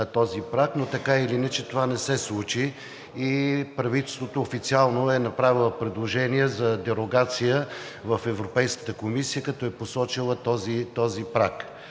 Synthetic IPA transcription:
t̪ɔzipɾaknot̪ɐkailinɛt͡ʃɛt̪ovanɛsɛslˠut͡ʃiː | pɾɐvit̪ɛlˠst̪vot̪oːfit̪sialˠnoɛnɐpɾavilˠəpɾɛd̪lˠoʒɛniɛzɐd̪ɛɾoɡat̪sijə | vɐfɛvɾopɛjskə̥t̪əkomisijəkɐt̪ɔɛposɔt͡ʃilˠət̪ɔzit̪ɔzipɾak

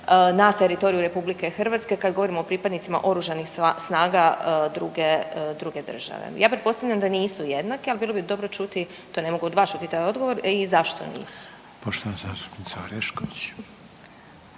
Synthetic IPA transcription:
nat̪eɾit̪o̞ɾijuɾe̞publike̞xrʋaːt̪ske̞kad̪ɡoʋo̞ɾimoopɾipad̪nit̪sima̰ʔo̞ɾuʒanixsnaːɡad̪ɾuɡed̪ɾuɡe̞d̪r̩ʒa̰ʋḛjaːpɾet̪̚po̞st̪aʋvʎʲamd̪aniːsujed̪nakialˠbiːlo̞bid̪o̞bɾo̞t͡ʃut̪i | t̪o̞ne̞mo̞ɡuod̪ʋaːst͡ʃut̪it̪ajo̞d̪ɡo̞ʋo̞ɾizaʃt̪o̞̰nḭːsu̥ | poʃt̪oʋanzaːst̪u̥pniːt̪saoɾɛʃkoʋit͡ɕ

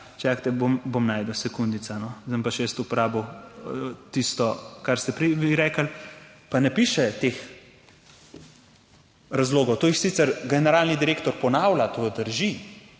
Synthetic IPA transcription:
t͡ʃakt̪ɛbombomnaːjd̪əwsɛkund̪it̪sanɔzəmpaʃjɛst̪upɔɾaːbow | t̪ist̪ɔkaɾst̪ɛpɾɛjʋiɾɛːkəlpanɛpiːʃɛt̪eːx | ɾazloːɡɔwt̪oːjixsiːt̪sɛɾɡɛnɛɾaːlnid̪iɾeːkt̪ɔɾpɔnaːwlat̪od̪əɾʒi

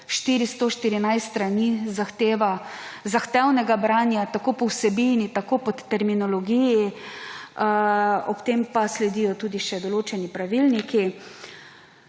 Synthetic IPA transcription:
ʃt̪iːɾist̪oʃt̪iɾinajst̪ːt̪ɾaniːzaxt̪eːʋa | zaxt̪ɛwnɛɡabɾaːnjat̪akoːpɔwsɛbinit̪akopɔt̪ːɛɾminɔlɔɡiji | ɔpt̪eːmpaslɛd̪iːjɔt̪uːd̪iʃɛd̪ɔloːt͡ʃɛnipɾaʋilniki

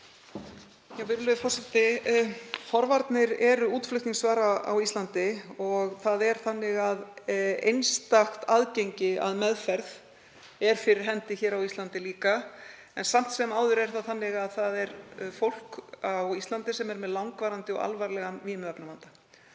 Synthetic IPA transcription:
jawvɪɾʏlvɪfɔɾ̥sɛt̪ɪ | fɔɾvaɾt̪nɪɾɛɾuːt̪flʏht̪niŋsvaːɾaa̰wist̪ant̪ɪɔɣθaðɛɾ̥θanːɪɣaðḛjnst̪axt̪aðcejɲcɪa̰ðmɛðfɛɾð | ɛɾ̥fɪɾɪɾ̥ɦɛnt̪ɪçɛːɾawist̪lant̪ɪliːka | ɛnsam̥t̪sɛmaːwðʏɾɛɾ̥θaθanːɪɣaðθaðɛɾfowl̥kawist̪lant̪ɪsɛmɛɾmɛðlawŋkvaːɾant̪ɪɔ̰ɣa̰lvaɾlɛɣaviːmœpnamant̪ḁ

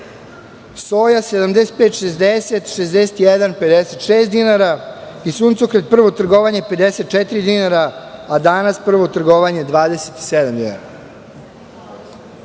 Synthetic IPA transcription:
so̞ːjased̪amd̪eset̪̚pet̪ʃezd̪eset̪ʃezd̪eset̪jed̪anped̪ese̞t̪ʃeːst̪d̪inaɾa | isuːnt̪sokɾet̪̚pr̩ʋo̞t̪r̩ɡo̞ʋaɲe̞pe̞d̪eset̪̚t͡ʃet̪iɾid̪inaɾaad̪anaspr̩ʋo̞t̪r̩ɡoʋaɲe̞d̪ʋaːd̪ese̥t̪i̥sed̪amd̪ina̰ɾa

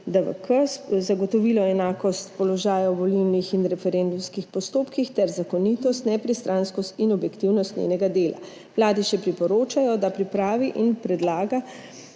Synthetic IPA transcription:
d̪əʋə̰kəzaɡɔt̪ɔʋilɔɛnaːkɔst̪pɔlɔʒaːjawbɔliwnixinɾɛfɛɾend̪umskixpɔst̪oːpkixt̪ɛɾzakɔnit̪ɔst̪nɛpɾist̪ɾʔanskɔst̪inɔbjɛkt̪iwnɔst̪nʲḛːnɛɡad̪eːla̰ | mlaːd̪iʃɛpɾipɔɾoːt͡ʃajɔd̪apɾipɾaːʋiʔinpɾɛd̪laːɡa

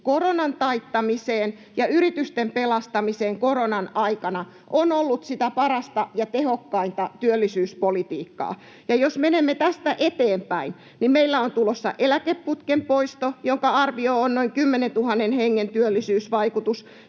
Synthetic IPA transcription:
koronɑnt̪ɑit̪ːɑmiseːn | jɑyrit̪yst̪empelɑst̪ɑmiseːŋkoronɑnɑikɑnɑ | ʔonolːut̪sit̪æpɑrɑst̪ɑjɑt̪ehokːɑint̪ɑt̪yølːisyːspolit̪iːkːɑ̰ː | jɑjosmenemːet̪æst̪æʔet̪eːmpæin | nimmeilːæont̪ulosːɑ̰ʔelækepːut̪kempoist̪ojoŋkɑɑrʋioonnoiŋkymːenent̪uhɑnːenheŋːent̪yølːisyːsʋɑikut̪us

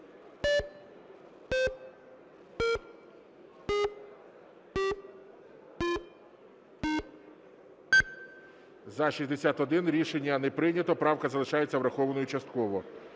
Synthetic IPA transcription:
zɐʃisʲzʲd̪esʲat̪ɔd̪ɪnɾʲiʃenʲːɐnɛpɾɪnʲɐt̪ɔpɾɑwkɐzɐlˠɪʃɑjet͡sʲːɐwɾɐxɔʋɐnɔjut͡ʃɐst̪̚kɔʋɔ

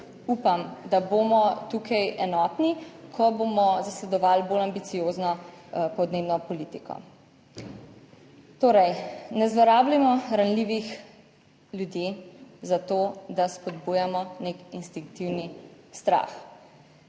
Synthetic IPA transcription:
uːpamd̪abomɔt̪uːkʰajɛnɔːt̪nikʰɔboːmɔzaslɛd̪ɔʋaːlbolambit̪sijoːznɔpɔd̪neːbnɔpɔlit̪ikɔ̰ | t̪oːɾɛjnɛzʋɔɾaːblimɔɾanliʋix | ljud̪jezat̪oːd̪aspɔd̪buːjamɔnekinst̪iŋk̚t̪iwnist̪ɾa̰ːx

